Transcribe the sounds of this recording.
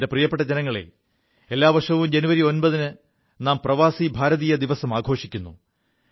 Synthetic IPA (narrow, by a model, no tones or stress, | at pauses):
de̞prijɐpːeʈːɐd͡ʑenɐŋːɐɭḛ | elːaːʋɐrʂɐʋumd͡ʑenuʋɐɾio̞nbɐðinɨ | naːmprɐʋaːsibʱaːɾɐðiːjɐd̪iʋɐsɐmaːɡʱo̞ːʂikʲːunːu